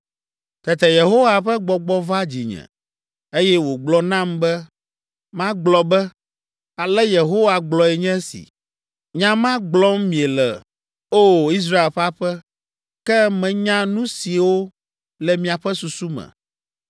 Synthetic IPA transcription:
t̪ɛ˨t̪ɛ˨je˨ɦo˦wa˨ɸɛ˦ɡ͡bɔ˨ɡ͡bɔ˦va˦d͡ʑi˨ɲɛ̰̃˨ | e˦jɛ˦wo˨ɡ͡blɔ˦nã˦mbɛ˦ | mã˦ɡ͡blɔ˨bɛ˦ | a˨lɛ˦je˨ɦo˦wa˨ɡ͡blɔ˨ɛ˨ɲɛ̃˦sḭ˨ | ɲã˦mã˦ɡ͡blɔ˦mmĩ˨e˨lɛ˨ | o˦i˦s̬ɾa˦e˨lɸɛ˦a˦ɸɛ˦ | kɛ˦mɛ̃˨ɲã˦nũ˦si˨wo˦ | lɛ˨mĩ˨a˨ɸɛ˦su˨su˦mɛ̰̃˨

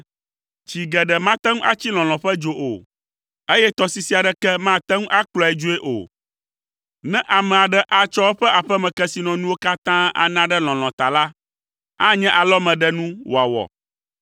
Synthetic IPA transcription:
t͡ʃi˨ɡɛ˨ɖɛ˨mã˦t̪ɛ˦ŋũ˦ʔa˦t͡ɕi˦l̃ɔ̃˨l̃ɔ̃˨ɸɛ˦d͡ʒo˨ʔo˨ | e˦jɛ˦t̪ɔ˦si˦si˦a˨ɖɛ˦kɛ˦mã˦˨t̪ɛ˦ŋũ˦ʔa˦k͡plɔ˨ɛ˨d͡ʒo˦e˦ʔo̰˨ | nɛ̃˦ʔa˨mɛ̃˨a˨ɖɛ˦ʔa˨t͡ʃɔ˦wɸɛ˦ʔa˨ɸɛ˦mɛ̃˨kɛ˦si˨nɔ̃˨nũ˦wo˦ka˦t̪ã˦a̰˨nã˦ɖɛ˦l̃ɔ̃˨l̃ɔ̃˨t̪a˨la˦ | a˦ɲɛ̃˦ʔa˨lɔ˦mɛ̃˨ɖɛ˦nũ˦wo˨a˨wɔ̰˨

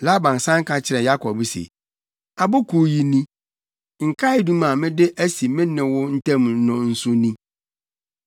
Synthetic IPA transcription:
la˦bã˨n˨sã˦ŋ̩˦kʰã˦t͡ɕʰɪ˦ɾɛ̃˨ja˦kʰɔ˨bsḛ˨ | a˨bʊ˦kʰu˨ji˨nĩ˦ | ŋ̩˨kʰa˦ɪ˨dũ˦mã˨mɪ̃˦dɪ˦ʔæ˦si˨mɪ̃˦nɪ̃˨wʊ˦n̩˦tʰɛ̃˦m˨˦nʊ̃˨n̩˦sʊ̃˦nĩ˦

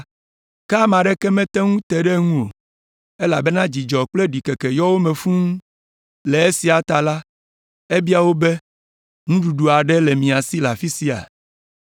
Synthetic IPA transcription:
ka˦mã˨ɖɛ˦kɛ˦mɛ̃˦t̪ɛ˦ŋũ˦t̪ɛ˨ɖɛ˦ŋũ˦o̰˨ | e˦la˨bɛ˦nã˦d͡ʑi˨d͡ʒɔ˨k͡ple˦ɖi˨ke˨ke˨jɔ˦wo˦mẽ˨fũ˦ŋũ˦ | le˨e˦si˨a˨t̪a˨la˦ | e˦bi˦a˨wo˦be˦ | ŋũ˦ɖu˨ɖu˨a˨ɖɛ˦le˨mĩ˨a˨si˦la˨fi˦si˦a̰˨

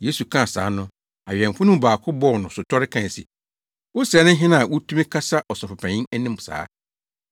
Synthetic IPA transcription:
je˦su˨kʰã˦˨sa̰ː˨˦nʊ̃˦ | a˨ɥɛ̃˨m˨fʊ˦nʊ̃˦m˦baː˨kʰʊ˦bɔ˦˨nʊ̃˨sʊ˨tʰɔ˦ɾɪ˦kʰã˦˨n˨sḭ˨ | wʊ˦sɛ˨˦nʊ̃˦ɦɪ̃˦nã˦˨wʊ˦tʰũ˦mɪ̃˦kʰa˦sa˦ʔɔ˨sɔ˨pʊ˨pʰæ̃˨ɲɪ̃˦næ˦nɪ̃˦m˨sa̰ː˨˦

